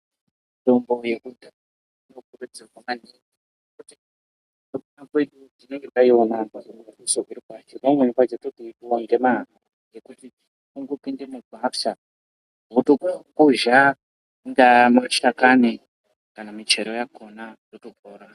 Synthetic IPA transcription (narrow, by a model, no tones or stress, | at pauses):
itombo̞jekudʱa | inokurud͡zerwamaneŋi | ekuti | nokunakwe̞ɗutine̞ŋɡetaionaaiusoʔiɾikwat͡ʃonemwenikwat͡ʃetotiitwaŋɡema | jekuti | uŋɡopindineɡʱafʃa | ɦutokkuʒa | ndamot͡ʃakani | kanamit͡ʃeɾojako̞natotokoːɾa